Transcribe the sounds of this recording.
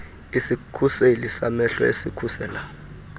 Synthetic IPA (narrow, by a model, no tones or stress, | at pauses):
isikʰuselisamɛɬɔ̰ḛsikʰusɛːla